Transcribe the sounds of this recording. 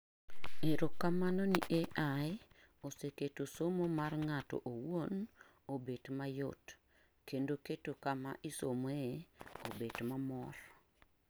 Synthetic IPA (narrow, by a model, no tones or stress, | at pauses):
eɾokːamanɔniʔeʔae | oseketosomomarŋatɔ̰ʔowon | obedmajo̰t | kendoketokama̰ʔisomoeobedmamɔr